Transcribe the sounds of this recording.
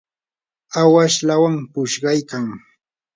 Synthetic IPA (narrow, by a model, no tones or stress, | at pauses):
awaʃlawampʊʃɢɑjkaŋ